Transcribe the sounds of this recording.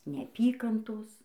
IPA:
nʲɛɐˈpʲiːkɐntoːs

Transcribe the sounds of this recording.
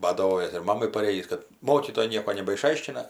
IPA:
bɐdɐˈʋoːjɛs ɪr ˈmɑːmɐɪ pɐˈrʲeːjiːs kɐt ˈmoːkʲiːtoːjɛɪ ˈnʲiɛkoː nʲɛbɐɪˈʃɐɪʃʲkʲɪnɐ

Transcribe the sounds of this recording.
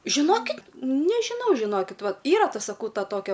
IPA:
ʒʲɪˈnoːkʲɪtʲ nʲɛʒʲɪˈnɐʊ ʒʲɪˈnoːkʲɪt ˈʋɐ ˈiːrɐ ˈtɐ sɐˈkɐʊ ˈtɐ ˈtoːkʲɛ

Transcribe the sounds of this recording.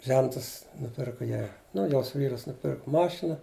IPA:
ˈʒʲɛntɐs nʊˈpʲɪrkʊ ˈjɛɪ ˈnʊ ˈjoːs ˈʋʲiːrɐs nʊˈpʲɪrkʊ ˈmɑːʃʲɪnɐ

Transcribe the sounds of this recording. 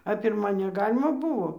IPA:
ɐ pʲɪrˈmɐ nʲɛˈɡɑːlʲɪmɐ ˈbʊʋoː

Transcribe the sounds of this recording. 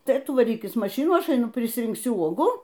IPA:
ˈtɐɪ ˈtʊ ʋɐˈrʲiːkʲɪs mɐˈʃʲɪnuː ˈɐʃ ɐɪˈnʊ pʲrʲɪsʲrʲɪŋkˈsʲʊ ˈuɔɡuː

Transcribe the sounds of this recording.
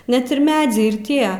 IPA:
nʲɛt ɪr ˈmʲæːd͡zʲɛɪ ɪr ˈtʲiɛ

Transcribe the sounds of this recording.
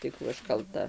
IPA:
tɐɪ ˈkuː ɐʃ kɐlˠˈtɐ

